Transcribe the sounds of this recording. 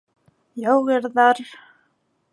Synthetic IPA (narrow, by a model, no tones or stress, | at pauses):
jawɣɛɾðaɾ